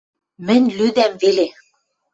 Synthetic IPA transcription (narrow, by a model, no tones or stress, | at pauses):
mɘ̆nʲlyd̪æmvele